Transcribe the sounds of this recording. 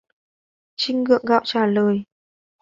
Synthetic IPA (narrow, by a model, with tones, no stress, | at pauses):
t͡ɕï˧ŋ̟ŋɨ̰˧˨əŋɣa̰ː˧˨wt͡ɕaː˧˩ləː˨˩j